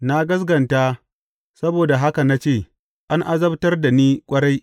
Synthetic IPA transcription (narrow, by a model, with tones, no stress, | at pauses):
na˦ɡɐ˦s̬ɡɐ˨nta˦ | sɐ˦boː˨da˨ɦa˦ka˨na˦t͡ʃeː˦˨ | ʔa˦ŋʔa˦zɐ˦btɐ˦rda˨niː˦kʷʼɐ˦ɽa˦j